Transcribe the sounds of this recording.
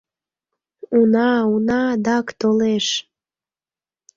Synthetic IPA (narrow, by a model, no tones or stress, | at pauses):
unɑunɑd̪ɑkt̪oleʃ